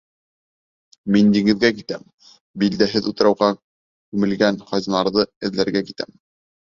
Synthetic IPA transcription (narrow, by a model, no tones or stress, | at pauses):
mind̪iɡɘ̆ðɡækit̪æm | bild̪æɦɘðut̪ɤ̆ɾɑwʁɑ | kʉmɘ̆lɡænχɑznɑɾðɤɘ̆ðlæɾɡækit̪æ̰m